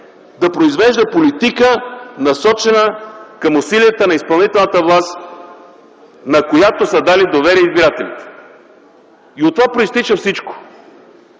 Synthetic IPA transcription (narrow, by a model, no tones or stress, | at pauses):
d̪ɐpɾoizvɛʒd̪əpolit̪ikənɐsɔt͡ʃɛnəkɐmʊsilijət̪ənɐispɐlˠnit̪ɛlˠnət̪əvlˠast̪ | nɐkojat̪osəd̪alid̪ovɛɾiəizbiɾat̪ɛlḭt̪ɛ̥ | iot̪ːovapɾʊist̪it͡ʃəfsit͡ʃko̥